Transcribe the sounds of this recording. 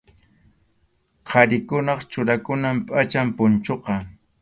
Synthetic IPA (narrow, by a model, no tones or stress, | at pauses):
qʰɑɾɪkʊnɑχt͡ʃʊɾakʊnampʼat͡ʃampʊnt͡ʃoqɑ